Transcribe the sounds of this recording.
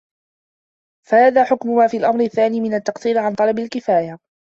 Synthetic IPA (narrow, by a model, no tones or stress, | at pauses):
fahaːðaːħʊkmʊmaːfiːalʔamɾɪθːaːniːmɪnat̪ːɑqt̪ˤiːɾɪʕant̪ˤɑlɑbalkɪfaːja